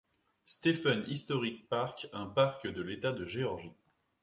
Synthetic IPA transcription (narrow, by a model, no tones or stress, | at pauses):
st̪efanḭst̪ɔʁik̚paʁkʲɛ̃paʁkd̪əlet̪ad̪əʒeɔʁʒi